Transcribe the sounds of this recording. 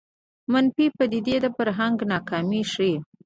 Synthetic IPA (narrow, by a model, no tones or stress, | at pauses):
manpipəd̪id̪ed̪əpəɾɦaŋɡnɑkɑmiʃi